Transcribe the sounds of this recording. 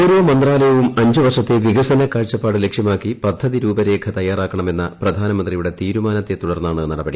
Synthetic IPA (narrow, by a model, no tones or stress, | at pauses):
uɾoːmɐnd̪raːlɐjɐʋumɐɲd͡ʑuʋɐrʂɐt̪ːeʋiɣɐsɐnɐkaːɻt͡ɕːɐpːaːɽɨle̞kʂjɐmaːkːipɐd̪ʱːɐðiɾuːbɐɾe̞ːkʰɐt̪ɐjːaːraːkːɐɳɐme̞nːɐprɐd̪ʱaːnɐmɐnd̪rijuɽe̞t̪iːɾumaːnɐt̪ːe̞t̪uɽɐrnːaːɳɐnɐɽɐbɐɽi